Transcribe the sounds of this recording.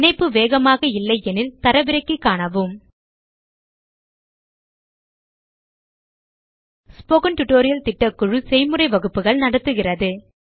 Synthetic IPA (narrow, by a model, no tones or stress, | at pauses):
nɐɪpːɯʋeːɣɐmaːɣɐɪlːɐɪɛnɪlt̪ɐɾɐʋɪɾɐɪkːɯkːaːɳɐʋɯm | spoːɣɐnʈʊʈːoːɾɪjɐlt̪ɪʈːɐkʊɻɯsɛjmɯrɐɪʋɐɣɯpːɯɣɐɭnɐɽɐt̪ːɯɣɪrɐðɯ